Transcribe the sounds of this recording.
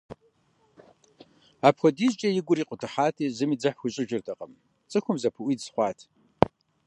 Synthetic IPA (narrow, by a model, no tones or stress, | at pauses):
aːpχʷɔdiːzt͡ʃʼɐjɪɡʷʊɾiːqʷʼʊtʰɨħaːtʰiːzɨmiːd͡zɐħxʷʊɕʼɪʒɪrtʰɐqʼɐm | t͡sʼɨxʷʊmzɐpʰɨʔʷiːdsχʷɑːtʰ